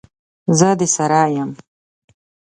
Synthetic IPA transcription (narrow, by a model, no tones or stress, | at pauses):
zəd̪isaɾaːjam